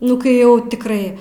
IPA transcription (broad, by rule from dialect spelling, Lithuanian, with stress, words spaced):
ˈnʊ kɐɪ ˈjɛʊ tʲɪkˈrɐɪ